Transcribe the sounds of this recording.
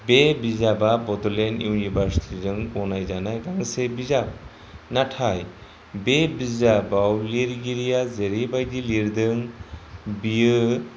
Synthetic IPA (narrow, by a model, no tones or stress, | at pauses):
bebizababɔdɔlɛnjuunibʱaɾsi̥tʰidɯŋɔnajzanajɡaŋsebizab̚ | natʰaj | bebizabawliɾɡiɾijazeɾibajdiliɾd̪ɯŋ | biɯ